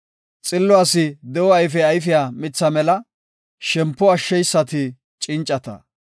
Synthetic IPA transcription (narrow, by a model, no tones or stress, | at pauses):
t͡sʼɪlːɔɐsɪd̪ɛwɔɐjfɛɐjfɪjaːmɪt͡sːɐmɛlɐ | ʃɛmpːɔɐʃːɛjsːɐt̪ɪ | t͡ʃʼɪnt͡ʃʼːɐt̪ɐ̰